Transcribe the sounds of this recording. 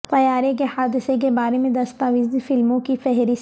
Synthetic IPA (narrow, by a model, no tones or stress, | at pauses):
t̪ɐjaːɾekehaːd̪ɪsek̬ebaːɾemẽd̪ɐst̪aːʋiːzifɪlmõkifɛɦɾis